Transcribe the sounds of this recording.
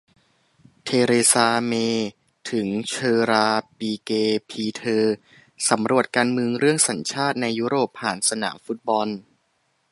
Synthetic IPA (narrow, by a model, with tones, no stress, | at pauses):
t̪ʰeː˧ɾeː˧saː˧meː˧ | t̪ʰɯ˩˦ŋt͡ɕʰɤː˧ɾaː˧piː˧keː˧pʰiː˧t̪ʰɤː˧ | sa˩˦mɾu˨˩ət̪̚kaː˧nmɯ˧əŋɾɯ˥˩əŋsa˩˦nt͡ɕʰaː˥˩t̪̚na˧jːu˦˥ɾoː˨˩pʰːaː˨˩nsa˧na̰ː˩˦mfu˦˥t̪̚bɔ˧n